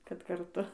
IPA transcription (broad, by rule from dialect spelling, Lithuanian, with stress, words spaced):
kɐt kɐrˈtʊ